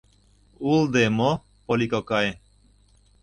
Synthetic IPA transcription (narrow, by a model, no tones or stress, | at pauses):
uld̪emɔ | pɔlikɔkae